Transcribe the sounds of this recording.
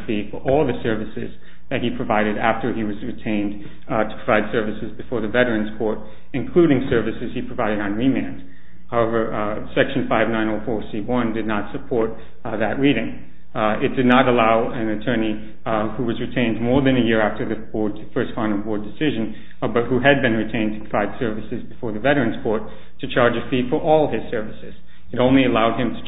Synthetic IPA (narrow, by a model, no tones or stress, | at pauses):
bifə˞ʔɔlˠðɨsɜ˞vɨsɪ̰z | ðɨt̚hipʰɹ̥ɨvaɪɾɨɾæftə˞iwʌzɹɨtʰẽɪ̃n | tʰə̥pʰɹ̥əvaɪd̥sɜ˞vɨsɨzbɨfɔɹðɨvɛɾə˞ɨ̃nz̥kʰɔɹɾ | ɨ̃nkʰl̥ʉɾɪ̃ŋsɜ˞vɨsɨz̥ipʰɹ̥ɨvaɪɾɨɾn̩ɹimæ̃nt | haʊɛvə˞ | sɛkʃn̩faɪvnãɪ̃noʊfɔɹsiwʌ̃ndɨdⁿnətsɨpʰɔɹt̪̚ | ðɨʔ̚ɹiɾɪ̃ŋ | ɪt̚d̥ɨdⁿnəɾəlaʊɨ̃nɨtʰɜ̃˞ni | huwʌzɹɨtʰẽɪ̃ndmɔɹðɨ̃nɨjɪɹæftə˞ðɨbɔɹdfɜ˞stfʌ̃nʌbɔɹdɨsɪʒɨ̃n | bʌt̚huɨd̚bɨ̃nɹɨtʰẽɪ̃ntʰɨ̥pʰɹəvaɪd̥sɜ˞vɨsɨzbɨfɔɹðɨvɛɾə˞ɨ̃nz̥kʰɔɹtʰː | ɨt͡ʃʰɑɹd͡ʒɨfifə˞ʔɔlˠɪz̥sɜ˞vɨsɨz̥ | ɨɾõʊ̃nliɨlaʊd̚ɨ̃mtʰɨ̥